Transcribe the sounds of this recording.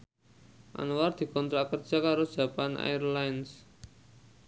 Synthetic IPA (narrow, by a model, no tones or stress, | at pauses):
ʔa̰nuward̪̥i̤kɔnt̪ɾakərd̥ʒ̥a̤kaɾod̥ʒ̥ä̤panʔa̰jərlajns